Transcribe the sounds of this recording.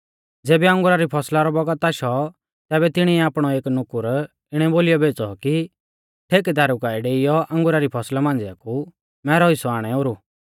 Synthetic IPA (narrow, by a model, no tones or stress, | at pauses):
d͡zeːbɛɐ̃ŋɡʊɾaɾipʰɔslaɾɔbɔɡət̪aʃɔ | t̪ɛːbɛt̪ɪɽ̃iɛaːpɽ̃ɔeːknʊkʊɾ | ɪɽ̃ɛboːlɪjɔbʱeːt͡sɔ̰ki | ʈʰeːkɛd̪ʱaːɾʊkaːiɖeːɪjɔʔɐ̃ŋɡʊɾaɾipʰɔslamãːnd͡zɛa̰ku | mɛːɾɔisɔaːɽ̃ɛoːɾu